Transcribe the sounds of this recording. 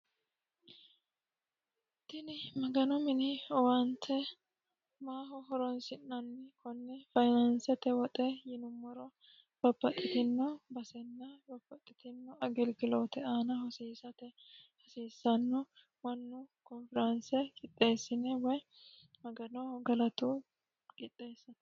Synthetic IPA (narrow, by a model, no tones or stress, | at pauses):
t̪ːɪnɪmɐɡɐnɔmɪnɪɔwɐnt̪ʰːɛ | maːɦɔɦɔɾɔnsɪnːɐnːɪkʰɔnːɛfɐjnɐnsɐt̪ɛwɐt̪ʼɛjɪnʊmːɔɾɔ | b̥ɐbːɐt̪ʼːɪt̪ɪnːɔbɐsɛnːɐbɐbːɐt̪ʼːɪt̪ɪnːɔɐɡɛlɡɪloːt̪ɛaːnɐhɔseːsɐt̪ɛhɔsiːsːɐnːɔ | wɐnːʊkɔnfɪɾɐnsɛkʼɪt̪ʼːe̞ːsːɪnɛwɔj | mɐɡɐnɔɡɐlɐt̪u | kʼɪt̪ʼːeːsːɐn